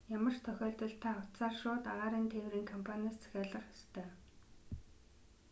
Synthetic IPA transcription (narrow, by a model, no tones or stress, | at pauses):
jamə̆rt̪ʰœxʲɔːɮt̪ə̆ɮt̪ʰaːʊt̪saːrʃʊːt̪aʁaːɾiːnt̪ʰeːwɾiːŋkʰɔmpʰanʲaːst͡sʰæ̥xʲæːɮə̆χɔ̥st̪ʰœː